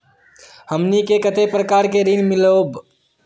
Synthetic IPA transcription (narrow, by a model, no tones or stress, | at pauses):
həmnikekət̪epɾəkaːɾkeɾinmɪlob